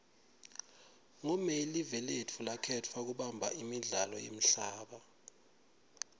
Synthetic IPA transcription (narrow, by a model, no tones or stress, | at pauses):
ŋɔmɛlivɛlɛtʰulakʰɛtʰwak̬uɓambʱaimiɮalɔjḛm̩ɬaːɓa